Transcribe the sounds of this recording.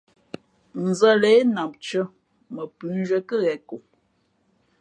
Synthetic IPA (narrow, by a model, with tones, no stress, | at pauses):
n̩˨zə˦le˦e˦na˨mp̚t͡ʃə˦ | mə˨pʉ˨˦n˦ʒə˦kə˦ɣɛ˨ko˨